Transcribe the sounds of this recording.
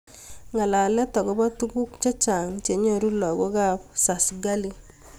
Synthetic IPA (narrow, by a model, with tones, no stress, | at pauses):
ŋa˨la˨lɛ˦tɔ˨ɡɔ˦bɔ˦tu˦ɡu˦kt͡ʃa˦t͡ʃa˨ŋt͡ʃe˨ɲɔ˦ɾu˦lɔ˨ɡɔ˦ka˦p̚sa˨sɡa˦li˦